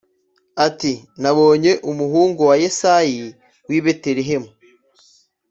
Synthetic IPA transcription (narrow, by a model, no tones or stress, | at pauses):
atinaβo̞ːɲe̞ʔumuɦuːŋɡuwajesaji | wiβeteɾeɦemu